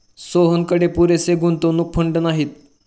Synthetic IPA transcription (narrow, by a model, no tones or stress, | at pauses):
soɦənkəɽepuɾeseɡʱunt̪onuk̚pʰəɳɖnaɦiːt̪̚